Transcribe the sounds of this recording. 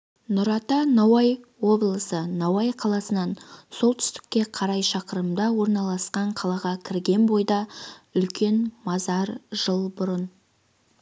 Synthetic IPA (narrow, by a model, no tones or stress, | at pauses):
nʊɾɑt̪ɑnɑwɑjwo̞blˠəsənɑwɑjqʰɑlˠɑsənɑnso̞lˠt̪ʰʏ̥st̪ɪ̥k̚ːʲe̞qʰɑɾɑjʃɑqəɾəmd̪ɑwo̞ɾnɑlˠɑsqɑɴqʰɑlˠɑʁɑkʲʰɪɾɡʲe̞nbo̞jd̪ɑʏlkʲe̞nmɑzɑɾʒ̥əlˠbʊɾən